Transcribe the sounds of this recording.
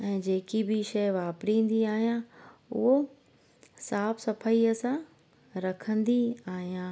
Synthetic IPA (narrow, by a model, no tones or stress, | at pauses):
ɛ̃ːd͡ʑeːkibɪʃɐɪʋaːpɾĩːn̆d̪iaːɦijãʊ̰ɦo | saːfsɐpʰəiəsã | ɾɐkʰə̃nd̪iaːɦijãː